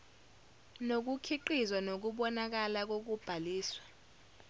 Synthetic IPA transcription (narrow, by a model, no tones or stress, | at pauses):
nok̬ukʰiǃizwanok̬uɓɔnak̬alak̬ok̬ub̥ʱaliːswḁ